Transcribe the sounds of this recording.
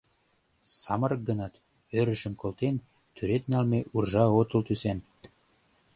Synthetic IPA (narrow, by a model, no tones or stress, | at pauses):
sɑmɤɾɤk̚ɡɤ̆nɑt̪ | øɾə̆ʃə̆mkolt̪en | t̪ʰyɾet̪nælmeʔurʒɑot̪ɤ̆lt̪ysen